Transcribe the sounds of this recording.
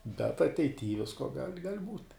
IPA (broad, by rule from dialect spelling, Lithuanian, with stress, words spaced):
bʲɛt ɐtʲɛɪˈtʲiː ˈʋʲɪskoː ɡɐlʲ ɡɐlʲ buːtʲ